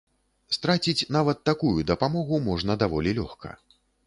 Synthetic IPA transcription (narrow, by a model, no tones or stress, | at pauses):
st̪ɾat͡sʲit͡sʲnavɐt̪ːakujud̪ɐpamɔɣumɔʐn̪ɐd̪avɔlʲilʲɔxkɐ̰